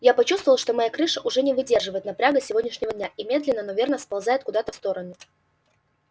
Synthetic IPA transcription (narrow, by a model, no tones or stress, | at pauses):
japɐt͡ɕust̪vəvəlˠʂt̪o̞mɐjakɾɨʂəʔʊʐɛnʲɪvɨdʲe̞rʐɨvəjɪt̪nɐpɾʲaɡəsʲɪvo̞dʲnʲɪʂnʲɪvədʲnʲaʔimʲe̞d̪lʲɪnːənovʲe̞rnəspɐlˠzaɪt̪̚kʊd̪at̪əfst̪o̞ɾənʊ